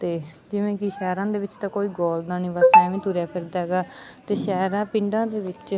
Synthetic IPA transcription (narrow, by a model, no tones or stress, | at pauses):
t̪eːd͡ʒɪʋẽːkiʃɛːɾãːd̪eːʋɪt͡ʃt̪ãːkoːiːɡɔːld̪ãːnĩːʋəsɛ̃ːʋĩːt̪uːɾɛːpʰɪɾd̪ɛːɡaːt̪eːʃɛːɾãːpɪ̃ɳɖãːd̪eːʋɪt͡ʃ